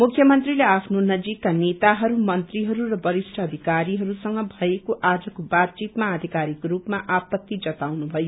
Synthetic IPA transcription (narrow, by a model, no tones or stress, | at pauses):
mukʰjʌmʌnt̪rileapʰnonʌd͡zikːanet̪aɦʌɾumʌnt̪riɦʌɾuɾʌbʌɾisʈʰʌːd̪ʱikaɾiɦʌɾusʌŋɡʌbʱʌekoʔad͡zʌkobat̪̚t͡ʃit̪maːd̪ʱikaɾikrupmaʔapʌt̪ːid͡zʌt̪awnubʱʌjo